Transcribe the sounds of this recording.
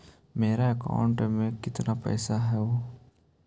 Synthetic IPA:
meːɾaəka̰ːʊɳʈmẽkɪt̪napɛ̰ːsaɦɛoː

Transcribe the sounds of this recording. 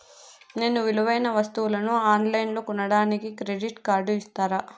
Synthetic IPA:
ne̞ːnuʋiluʋɐjnɐʋɐst̪uʋulɐnuaːnlɐjnlokunɐɽaːnikikɾeɖiʈkaːɾɖuist̪aːɾaː

